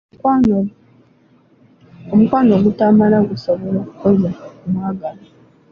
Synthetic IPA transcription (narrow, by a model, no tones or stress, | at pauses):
omukwanoɡutamalaɡusoβɔɾaozaumwaɡala